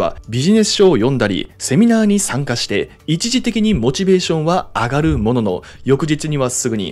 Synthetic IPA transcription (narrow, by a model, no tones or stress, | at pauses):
a̰bʲiʑine̞sɨ̥ɕo̞ːjõ̞nd̪aɾʲḭse̞mʲinaːɲ̟isãŋkaɕi̥t̪e̞ | it͡ɕiʑit̪e̞kʲiɲ̟imo̞t͡ɕibe̞ːɕõ̞ɰ̃βaaɡaɾɯ̟mo̞no̞no̞̰ | jo̞kɯ̟ʑit͡sɨɲ̟iβasɨɡɯ̟ɲ̟ḭ